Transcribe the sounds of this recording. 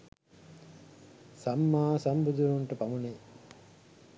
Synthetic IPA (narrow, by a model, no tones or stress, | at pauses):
sɐmːaːsɐmbud̪uɾuɳʈɐpɐmune